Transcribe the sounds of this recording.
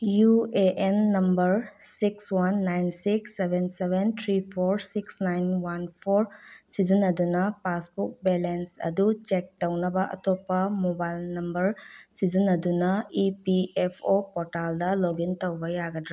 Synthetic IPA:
jueʔenːɐmbɐɾsikswanːajnsiksebʱensebʱent̪ʰɾipʰoɾsiksnajnwanpʰoɾsizinːɐdunɐpasbuk̚belensɐ̰dut͡ʃek̚tɐwnɐbɐʔɐ̰tɔpːɐmobajlnɐmbɐɾsizinɐdunɐipiepʰopɔɾtaldɐloɡintɐwbɐjaɡɐdɾa

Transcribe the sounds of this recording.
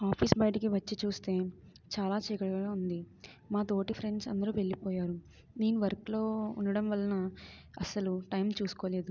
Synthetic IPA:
aːpʰiːsbɐjʈik̬iʋɐt͡ʃːit͡ʃuːst̪e̞ː | t͡ʃaːlaːt͡ʃɛːjkɐɽɐɡɡaːund̪i | maːt̪o̞ːʈipʰɾe̞ɳɖsɐ̰nd̪ɐɾuːʋe̞ɭːipɔːjaːɾu | neːnuʋɐɾklo̞ːunːɐɽɐmʋɐlːɐnɐɐsɐluʈɐjmt͡ʃuːsu̥koːle̞ːd̪u

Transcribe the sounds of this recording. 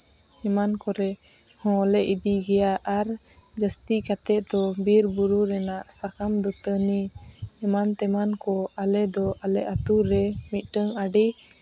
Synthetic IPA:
ɛmankɔɾɛ | hɔ̃lɛʔid̪iɡɛjaʔaɾ | d͡ʒəst̪ikat̪ɛʔ̚d̪ɔbiɾbuɾuɾɛnaʔsakamd̪ɔt̪əni | ɛmant̪ɛmankɔalɛd̪ɔalɛʔat̪uɾɛmit̪̚ˀʈəŋaɖi

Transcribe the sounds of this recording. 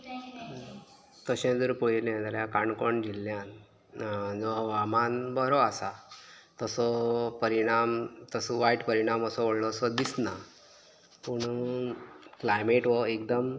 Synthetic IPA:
t̪əɕẽd͡zəɾpoɭilɛ̃d̪aɾjakaɳkɔɳd͡ʑilːjan | d͡zɔʋamanbəɾɔasa | t̪əsɔpəɾiɽ̃amt̪əsɔʋaiʈpəɾiɽ̃aməsɔʋəɽlɔːsɔd̪isna | puɳ | klajmeʈʋɔek̚d̪əm

